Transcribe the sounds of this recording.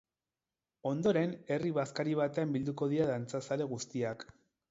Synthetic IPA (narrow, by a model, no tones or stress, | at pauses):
o̞nd̪o̞ɾe̞ne̞riβaskaɾiβ̞at̪e̞ambild̪uko̞ð̞iɾaðant͡sasale̞ɣ̞ust̪iak